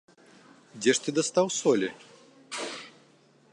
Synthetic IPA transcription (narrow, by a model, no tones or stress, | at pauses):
d͡zʲɛʂt̪ɨd̪ɐst̪awsɔlʲi